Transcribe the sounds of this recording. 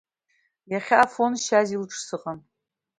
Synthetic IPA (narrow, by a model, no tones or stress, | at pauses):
jaχʲaːfo̞nʃazilʈ͡ʂʰʼsɨqʼan